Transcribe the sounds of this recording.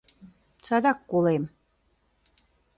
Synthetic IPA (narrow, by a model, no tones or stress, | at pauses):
t͡sɑd̪ɑkːolem